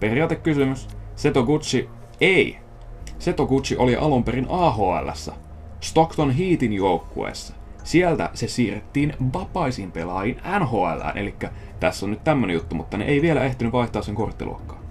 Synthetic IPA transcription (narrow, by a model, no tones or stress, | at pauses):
pe̞riɑːt̪ekkysymysse̞t̪okut̪t͡ʃi | ei | se̞t̪okut̪t͡ʃiʔo̞liʔɑlumperinʔɑːɦoːæ̰lːæ̰sːæ | st̪okt̪onɦiːt̪injo̞ukːṵḛsːɑ̥sielt̪æ̰sesiːret̪ːiːnʋɑpɑisiːmpe̞lɑjinænhoːæ̰lːæ̰ːnʔelikːæ | t̪æsːonyt̪t̪æmːønejut̪ːumut̪ːɑnḛʔeiʋielæe̞ht̪inyʋʋɑiht̪ɑːseŋko̞rt̪ːḭlʔṵo̰kːɑ̥ːn